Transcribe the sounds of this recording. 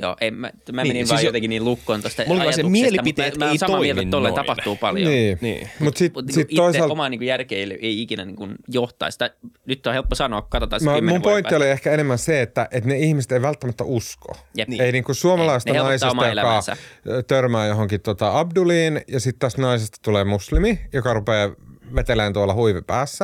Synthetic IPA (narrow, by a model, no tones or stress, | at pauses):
jo̰ːʔemmæmæenijot̪eŋkiniːlukːoint̪ost̪ɑmulsmielipit̪eːt̪ːsɑoiielt̪olːeint̪ɑpɑht̪uːpɑljoniːnḭːmut̪sit̪sit̪t̪oisɑlomɑniŋkujærkeileiikinæniːŋkunjoht̪ɑ̰ˑist̪ɑnyt̪ːohelpːosɑnoɑkukɑt̪ot̪ɑmmmumpoint̪ioliehkæenemːænseet̪ːæʔet̪neihmise̥t̪eiʋælt̪ːæmæt̪ːæ̰usko̰jeiniːŋkussuomɑlɑist̪ɑenɑismːjolækɑsæ̰t̪ørmæːjoɦoŋkit̪t̪ot̪ɑɑbduliːnjɑsit̪t̪ɑsnɑisest̪ɑ̥t̪uleːmuslimijokɑrupeːʋet̪eleːnt̪uolɑhuiʋepæːsːæ